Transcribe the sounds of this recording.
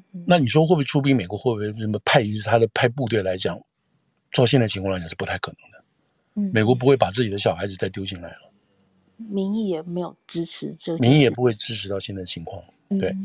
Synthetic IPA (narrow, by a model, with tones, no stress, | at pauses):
na˥˩ni˨˩ʂ̬wɔ˥xwbʈ͡ʂʰu˥pi˥˩me˨˩ɪkwɔ˧˥xwɔ˥˩bə˥˩mə˧˩pʰa˥˧ɪi˧˥˩t̪ʰa˥d̪ə˨pʰa˥˧ɪp̬u˥˧t̪we˥˩la˧˥ɪt͡ɕjɑ˨˩˦ŋ | t͡sʊɕɛ˥˧nt͡sa˥˩i˧˥ŋʰ˥˩˧ljʂ̩˥˩pu˧˥t̪ʰkʰɤ˨˩nɤ̥˧˦ŋd̪ə˦ | me˨˩ɪkwɔ˧˥p̬u˧˥xwe˥˩pa˨˩t͡sɹ̩˥˩t͡ɕi˨˩d̪ə˦ɕjɑ˨˩xa˧˥ɪd͡zɹ̩˨˩t͡sa˥ɪt̪jo˥ʊt͡ɕi˥˩ŋla̰˧˥ɪlə˧ | mi˧˥ŋi˥˩jɛ˨˩me˧˥ɪjo˨˩ʊʈ͡ʂɻ̩˥ʈ͡ʂʰɻ̩˧˥t͡ɕo˥˧mi˧˥ŋi˥˩jɛ˨˩p̬u˧˥xwe˥˧ɪʈ͡ʂɻ̩˥ʈ͡ʂʰɻ̩˧˥ɑ˥˧ɕjɛ˥˧nt͡s̪a˥˩də˩t͡ɕʰi˧˥ŋkʰwɑ˥˩ŋ | t̪we˥˩ɪ